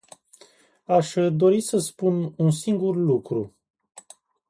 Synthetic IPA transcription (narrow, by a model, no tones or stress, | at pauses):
aʃd̪o̞ɾisəspununsiŋɡurlukɾu